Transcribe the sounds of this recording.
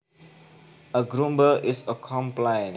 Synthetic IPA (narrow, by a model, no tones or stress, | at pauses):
əɡɾũmbəʔɪsəkʰɔ̃mplãɪ̃n